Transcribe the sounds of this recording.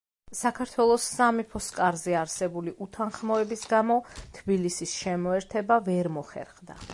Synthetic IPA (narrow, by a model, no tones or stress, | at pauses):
sakʰaɾt̪ʰwɛlˠɔsːamipʰɔskʼaɾzɛaɾsɛbuliʔut̪ʰanχmɔɛbisɡamɔt̪ʰbilisisʃɛmɔɛɾt̪ʰɛbavɛɾmɔχɛ̰ɾχd̪a̰